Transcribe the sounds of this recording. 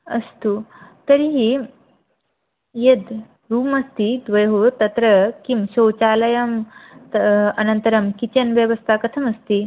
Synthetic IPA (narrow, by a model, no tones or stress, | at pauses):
ɐ̰st̪ut̪ɐɾiɦi | jed̪ | ɾuːmɐst̪id̪ʋɐjɦot̪ɐt̪ɾɐkimɕowt͡ʃaːlɐjɐmt̪ɐnɐnt̪ɐɾɐmkit͡ɕɐnʋjɐʋɐst̪ʰakɐt̪ʰɐmɐst̪i